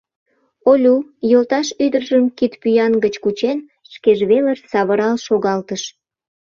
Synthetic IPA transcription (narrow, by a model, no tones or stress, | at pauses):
olʲujolt̪ɑʃyd̪ərʒəmkit̪pyjɑnɡət͡ɕkut͡ɕen | ʃkeʒβelərsɑβəɾɑlʃoɣɑlt̪əʃ